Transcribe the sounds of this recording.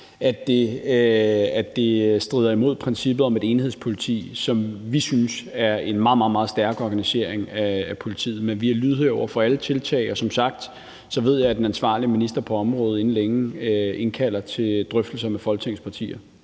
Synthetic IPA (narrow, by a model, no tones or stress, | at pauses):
æd̥e̝ | æd̥e̝sd̥ʁið̞ˠɐimo̝ð̰ˠpʰʁɛnsib̥ð̩ˠɒ̽me̝d̥e̝ːnhe̝spʰo̝lit͡sʰḭːsɒ̽mʋisynsæɐe̝nmɑ̈ːð̩ˠmɑ̈ð̩ˠmɑ̈ːð̩ˠsd̥æɐɡ̥ɒɡ̥ænise̝ɐe̝ŋæːpʰo̝lit͡sʰḭːð̩ˠmenʋiælyðˠheɒʊ̰ɐfɒ̽ælət͡sʰe̝lt͡sʰɛ̰ɪɒ̽sɒ̽msɑ̈ɡ̥̚d̥ | sɒ̽ʋe̝ð̞̰ˠjɑ̈ɪæd̥enænsʋɑ̰̈ːliminisd̥ɐpʰɒ̽ɒ̽mʁɔ̽ːð̞̩ˠe̝n̩leŋe̝nkʰæl̰ɐt͡sʰe̝d̥ʁœfd̥l̩sɐmefɒ̽lɡ̥t͡sʰeŋ̰spʰɑ̈t͡sʰḭːɐ